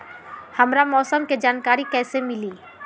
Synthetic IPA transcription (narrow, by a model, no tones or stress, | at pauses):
hɐmɾamɔːsəmked͡ʒaːnkaːɾikɛːsemɪliː